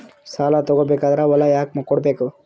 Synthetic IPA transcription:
saːlat̪ɔɡobeːkaːd̪ɐɾaʋɔlːajaːk̚mɐkɔɽbeːku

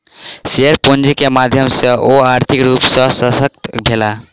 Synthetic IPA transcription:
seəɾpund͡ʒikemad̪ʱjəmsəʔoaɾt̪ʰikɾupsəsəsək̚t̪bʱela

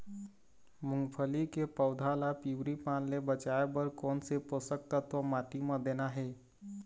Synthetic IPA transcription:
mʊ̃ŋɡpʰəlikepəʊd̪ʱalapiwɾipaːnlebət͡ʃaebəɾkɔːnseposək̚t̪ət̪əmaːʈimãd̪eːnaɦeː

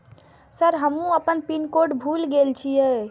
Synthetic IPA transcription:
səɾɦəmũəpənpinkoɖbʱulɡelt͡ʃʰijɛ

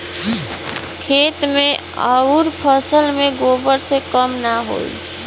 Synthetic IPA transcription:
kʰet̪meə̰ʊɾpʰəsəlmẽɡobəɾsekəmnaɦo̰ḭ

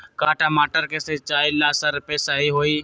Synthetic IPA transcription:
kaːʈaːmaːʈəɾkeset͡ʃaːilaːsəɾpesaɦiɦoːiː

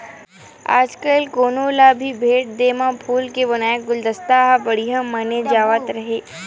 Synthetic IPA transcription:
a̰ːd͡ʒkəlkoːnoːlabʱibʱeːʈ̚d̪eːmãpʰuːlkebɐnaːjəɡʊld̪əst̪aɦabɐɽiɦamɐned͡ʒaːʋət̪ɾɐɦeː

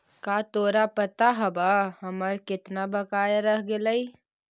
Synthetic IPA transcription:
kaːt̪oːɾapət̪aɦəbahəməɾkɪt̪nabəkaːjeɾəɦɡeləi

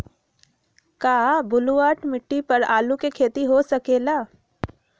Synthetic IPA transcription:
kaːbʊluʋaːʈmɪʈːipɐɾaːlukekʰeːt̪iɦosɐkeːlaː

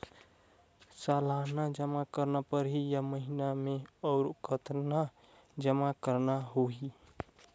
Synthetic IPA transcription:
salanad͡ʒəmakəɾnapəɾɦijaməɦinameəʊɾkət̪na | d͡ʒəmakəɾnaɦoɦi

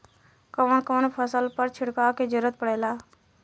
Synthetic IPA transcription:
kəʋənkonpʰəsəlpəɾt͡ʃʰɪɽkaked͡ʒəɾət̪̚pəɽɛːlaː

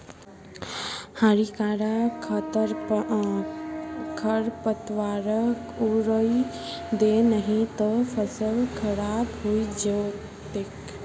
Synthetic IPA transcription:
haːɾikaːɾakʰt̪əɾ | kʰəɾpət̪ʋaːɾək | uɾəi | d̪enəɦĩt̪əpʰəsəlkʰɐɾaːbɦoid͡ʒə | t̪ɪk

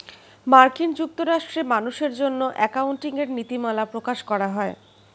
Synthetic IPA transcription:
maɾkind͡ʑuk̚t̪oɾaʃʈɾemanuʃeɾd͡ʑonːoʔɛkaunʈiŋeɾnit̪imalapɾokaʃkɔɾaɦɔe

